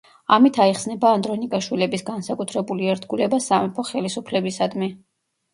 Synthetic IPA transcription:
amit̪ʰaiχsnɛbaːnd̪ɾɔnikʼaʃwilɛbisɡansakʼut̪ʰɾɛbuliɛɾt̪ɡulɛbasamɛpʰɔχɛlisupʰlɛbisad̪mi

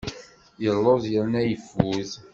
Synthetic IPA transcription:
jəlːoðjəɾnæjəfuð

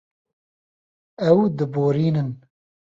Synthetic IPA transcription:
ɛwd̪ɨboːɾiːnɨn

